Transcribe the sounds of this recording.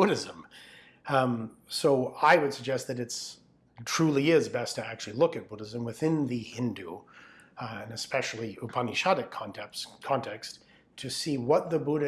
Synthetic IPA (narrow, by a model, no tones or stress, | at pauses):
b̥ʊɾɨzə̃m | soʊaɪwɨd̥sɨɡ̚d͡ʒɛst̪̚ðɨɾɨts | tʰɹ̥ʉlˠiɪzbɛstʰɨæk̚t͡ʃʉl̩ˠilʊkɨt̚b̥ʊɾɨzɨ̃mwɨθɪ̃nðɨhɪ̃ndʉ | ɨ̃nɨspɛʃl̩ˠiəpʰɑniʃɑɾɨkʰɑ̃ntʰɛkʰɑ̃ntʰɛks | tʰɨsiwʌt̪̚ðɨbuɾɨ